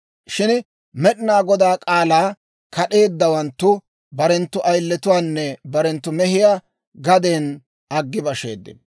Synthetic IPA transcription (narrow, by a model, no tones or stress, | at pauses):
ʃɪn | mɛɗɪnaːɡɔd̪aːkʼaːlaː | kɐɗe̞ːd̪ːɐwɐnt̪ːʊ | bɐɾɛnt̪ːʊʔɐjlːɛt̪ʊwaːnːɛbɐɾɛnt̪ːʊmɛhɪjaː | ɡɐd̪eːn | ɐɡːɪbɐʃḛːd̪ːɪ̰n